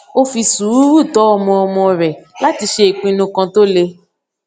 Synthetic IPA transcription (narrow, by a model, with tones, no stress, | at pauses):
o˦fi˧su˨˦ɾu˦ɾu˦˨tɔ˨˦ɔ˧mɔ̃˧mɔ̃˧ɾɛ˨la˦ti˧ʃe˧e˨k͡pĩ˧nũ˧kɔ̃˧to˦le˧